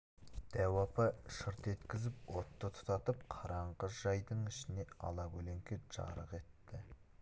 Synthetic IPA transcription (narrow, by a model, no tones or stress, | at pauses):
d̪̥æwɑpɑʃəɾt̪e̞t̪kʲɪzɪpwo̞t̪ːət̪ʰʊ̥t̪ɑt̪əp̚qʰɑɾɑɴʁəʒɑjd̪əɴɪʃɪne̞ɑ̰lˠɑkʲʰɵle̞ŋkʲɪʒ̥ɑ̰ɾəqe̞t̪ːɪ